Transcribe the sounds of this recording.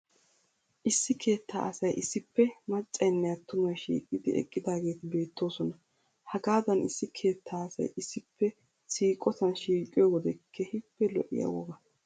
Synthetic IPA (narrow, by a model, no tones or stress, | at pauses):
ʔɪsːɪkʰe̞ːt̪ʰːa̰ːʔɐsɐjʔɪsːɪpːɛmɐt͡ʃʼːɐjnːɛjat̪ːʊmɐjʃḭːkʼːɪd̪ɪɛ̰kʼːɪd̪aːɡe̞ːt̪ɪbe̞ːt̪ʰːo̞ːsɔnɐ | hɐɡaːd̪ɐnɪsːɪkʰe̞ːt̪ʰːaːɐsɐ̰jɪsːɪpʰːɛ | siːkʼɔt̪ɐnʃiːkʼːɪjɔːɡɔd̪ɛkʰːɛhɪpːɛlɔ̰ʔɪ̰ja̰wɔ̰ɡɐ